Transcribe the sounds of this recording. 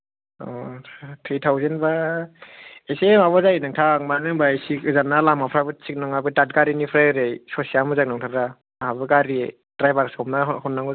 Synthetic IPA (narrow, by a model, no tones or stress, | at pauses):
ɔ̰tʰɾitʰawzenba | esemaβɔzajinɯŋtʰak̚manɯŋbaesikɯzanːalamapʰɾabɯt͡ʃik̚nɯŋabɯtat̚ɡaɾinipʰɾajɾejsɔsiamɯzak̚nɔŋtʰaɾa | ɦabɯɡaɾi | dɾajbaɾskʰɔmnahɔnːaŋɔ